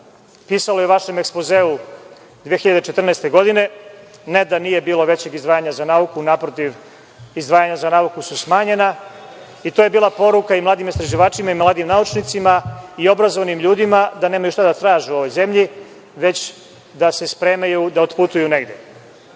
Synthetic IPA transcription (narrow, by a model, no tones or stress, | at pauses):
piːsalo̞jeuʋaʃemekspozeːu | d̪ʋejexiʎad̪et͡ʃet̪r̩nɛːst̪e̞ɡo̞d̪ine̞ned̪anije̞biːlo̞ʋe̞t͡ɕe̞ɡizd̪ʋaːjaɲazanaːukunapɾot̪iʋ | izd̪ʋaːjaɲazanaːukususmaːɲe̞na | it̪o̞ːje̞biːlˠapo̞ɾukaimlˠaːd̪imist̪ɾaʒiʋaːt͡ʃimaimlˠaːd̪imnaut͡ʃnit̪simaio̞bɾazo̞ʋanimʎuːd̪imad̪aneːmajuʃt̪ad̪at̪ɾaːʒeuo̞ʋo̞jze̞mʎi | ʋe̞t͡ɕ | d̪ase̞spɾe̞ːmajud̪aot̪put̪ujuneɡd̪ʲje